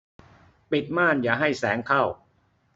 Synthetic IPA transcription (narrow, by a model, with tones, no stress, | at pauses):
pi˨˩t̪̚maː˥˩njaː˨˩ɦa˥˩jsɛː˩˦ŋkʰa˥˩w